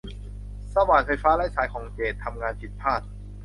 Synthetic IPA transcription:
sa˧waː˨˩nfa˧jfaː˦˥laː˦˥jsaː˨˩˦jkʰɔː˨˩˦ŋt͡ɕeː˨˩t̪ʰːa˧mŋaː˧npʰi˨˩t̪̚pʰaː˥˩t̪̚

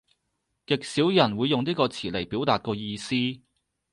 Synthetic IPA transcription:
kɪ˨k̚siː˨˥wjɐ˨˩nwuː˨˧jːʊ˨ŋniː˥kɔː˧t͡sʰiː˨˩le˨˩jpiː˨˥wt̪aː˨t̚kɔː˧jiː˧siː˥

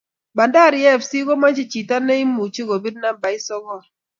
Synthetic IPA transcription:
ba˨nda˦˨ɾɪ˨˦ɛ˦˨fsi˦ɡɔ˦ma˦t͡ʃi˦˨t͡ʃi˨ta˦ne˦i˦mu˨t͡ʃi˦ɡo˨bi˦dna˦ba˨ɪ˦sɔ˦ɣɔ˨

